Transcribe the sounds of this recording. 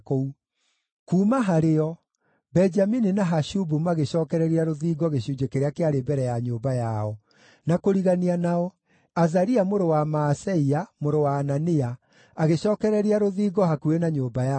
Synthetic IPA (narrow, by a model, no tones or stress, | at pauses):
kou | kuːmaɦaɾeɔ | bɛɲd͡ʒamininaɦaɕubumaɣeɕɔːkɛɾɛɾiaɾoðiːɡɔɣeɕud͡ʒekeɾeakeaɾebɛɾɛjaɲoːbajaɔ | nakoɾiɣanianaɔ | azaɾiamoɾowamaːsɛiamoɾowaːnania | aɣeɕɔːkɛɾɛɾiaɾoðiːɡɔhakuenaɲoːbaja